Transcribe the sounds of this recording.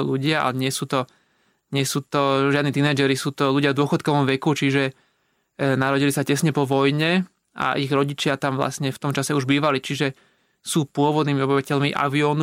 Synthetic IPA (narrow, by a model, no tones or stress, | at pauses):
ɔʎuɟɪaa̰ɛɲɪɛsuːt̪ɔ | ɲɪɛsuːt̪ɔʒɪad̪nit̪inɛːd͡ʒɛɾisuːt̪ɔʎuɟɪavd̪ʊɔxɔt̪̚kɔʋɔmʋɛkut͡ʃiʒɛ | naɾɔɟilisacɛsɲɛpɔʋɔjɲɛ | ʔa̰ʔiɣɾɔɟit͡ʃɪat̪amʋla̰sɲɛft̪ɔmt͡ʃasɛuʒbiːʋalit͡ʃiʒɛ | suːpʊɔʋɔd̪niːmiɔbiʋacɛʎmiʔa̰ʋiɔːn